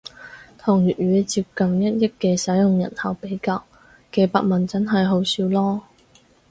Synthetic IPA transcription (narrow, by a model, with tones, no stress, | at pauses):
t̪ʰʊ˨˩ŋɥyː˨t̚ɥyː˨˥t͡siː˧p̚kɐ˨mjɐ˥t̚jɪ˥kkːɛː˧sɐ˨˥jjʊ˨ŋjɐ̰˨˩nhɐ˨wpe˨˥jkaː˧w | kɛː˧pa̰ː˧k̚mɐ˨nt͡sɐ˥nɦɐ˨jɦo˨˥wsiː˧wlɔː˥